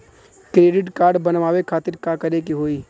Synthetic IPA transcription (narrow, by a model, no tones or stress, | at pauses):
kɾeːɖɪʈkaːɾɖbɐnʋaːʋekʰaːt̪ɪɾkaːkɐɾekiɦoːiː